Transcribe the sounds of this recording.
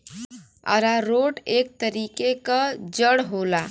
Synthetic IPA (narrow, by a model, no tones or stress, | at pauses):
ə̰ɾaɾoʈek̚t̪əɾikekəd͡ʒəɽɦola